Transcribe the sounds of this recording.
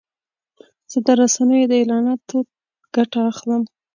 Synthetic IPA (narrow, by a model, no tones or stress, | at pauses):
z̥əd̪əɾasanəjod̪əelɑnɑt̪ | ɡ̥aʈaːxləm